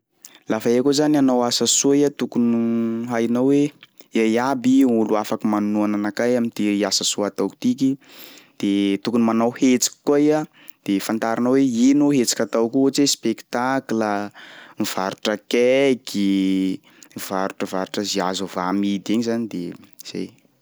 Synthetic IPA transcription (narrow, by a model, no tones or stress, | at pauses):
lafaeakozananawasasuiat̪ukunuɦajnaweajabiuluafakimanuananakajamint̪iiasasuat̪awki̥t̪ik̬id̪̥et̪ukunimanawhet͡si̥kʲi̥kaia | d̪̥efant̪aɾanəweinuɦet͡si̥kʲat̪awkuot͡sespekt̪akləmiv̥aɾuʈ͡ʂəkɛki | ivaɾuʈ͡ʂəvaɾuʈ͡ʂəziazuvamid̪iɲizanid̪ḛz̥ḛj